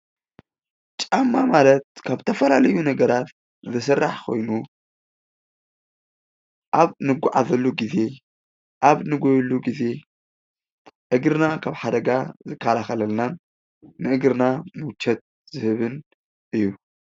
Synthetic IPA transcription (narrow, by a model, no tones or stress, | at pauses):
t͡ʃʼamːamalɐt̪̚kʰaβt̪ʰɐfɐlalɐjunɐɡɐɾat̪ | zɐs̬ɐrːaħkʰo̞̰jnu | ʔaβnɨɡʷʊʕazɐlːuɡize̞ | ʔaβnɨɡojluɡize̞ | ʔɨɡɾɨnakʰaβħad̪ɐɡazɨkʰːalaxɐlɐlnanː | ɨʔɨɡɾɨnamɨt͡ʃʰːɛt̪̚ | zɨhɨβɨn | ʔɨjːu